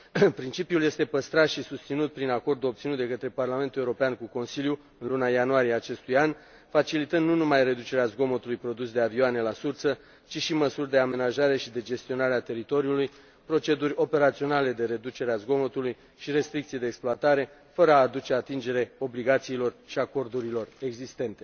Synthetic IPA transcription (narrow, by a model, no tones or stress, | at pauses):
pɾint͡ʃipijulje̞st̪e̞pəst̪ɾat̪ʃisust̪sinut̪̚pɾinako̞rd̪uo̞p̚t̪sinut̪d̪e̞kət̪ɾe̞parlament̪uleuɾopeankuko̞nsilju | ɨnlunajanuaɾieat͡ʃe̞st̪ujan | fat͡ʃilit̪ɨnd̪nunumajre̞d̪ut͡ʃe̞ɾeazɡo̞mo̞t̪ulujpɾo̞d̪usd̪e̞avioane̞lasurt̪sə | t͡ʃiʃiməsurʲd̪e̞ame̞naʒaɾe̞ʃid̪e̞d͡ʒe̞st̪io̞naɾeat̪e̞ɾit̪o̞ɾiuluj | pɾo̞t͡ʃe̞d̪urʲo̞pe̞ɾat̪sio̞nale̞d̪e̞ɾe̞d̪ut͡ʃe̞ɾeazɡo̞mo̞t̪uluj | ʃiɾe̞st̪ɾik̚t̪sije̞d̪eːksploat̪aɾe̞ | fəɾəaːd̪ut͡ʃe̞at̪ind͡ʒe̞ɾe̞o̞bliɡat̪siːlo̞rʃiako̞rd̪uɾilo̞re̞ɡzist̪e̞nt̪e̞